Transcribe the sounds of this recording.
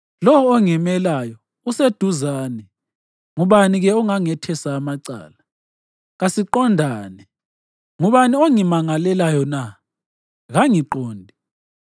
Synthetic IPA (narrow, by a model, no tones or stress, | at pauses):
lɔwɔːŋɛmɛlajɔ | used̥ʱuzaːnɛ | ŋuβaniɣɛɔŋaŋɛtʰɛsaːmaǀa̰ːla | ɣasiǃɔndʱaːnɛ | ŋuβanioŋimaŋalɛlajɔna | ɣaŋiǃoːndʱi